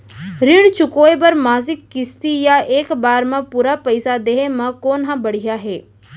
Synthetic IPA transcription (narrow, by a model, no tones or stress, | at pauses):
ɾɪɽ̃t͡ʃʊkoːebɐɾmaːzɪkːɪst̪ijaeːkbaːɾmãpuːɾapɐɪsad̪eːɦemɐ̃koːnɦãbɐɽ̤ijaɦeː